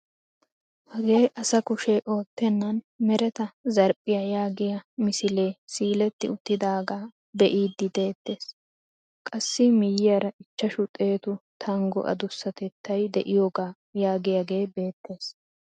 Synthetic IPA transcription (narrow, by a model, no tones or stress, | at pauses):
hɐɡe̞ːʔɐsɐkʊʃeʔo̞ːt̪ːɛnːɐn | mɛɾɛt̪ɐzɐɾpʼːɪjɐjaːɡɪjɐmɪsɪle̞ːsiːlɛt̪ːɪʊt̪ːɪd̪aːɡaː | bɛʔiːd̪ːɪd̪e̞ːt̪ːe̞ːs | kʼɐsːɪmɪjɪjɐɾɐʔɪt͡ʃːɐʃʊt̪ʼe̞ːt̪ʊt̪ʰɐŋɡɔ̰ʔɐ̰d̪ʊsːɐt̪ɛt̪ːɐjd̪ɛʔɪjoːɡaː | jaːɡɪjaɡe̞ːbe̞ːt̪ːe̞ːs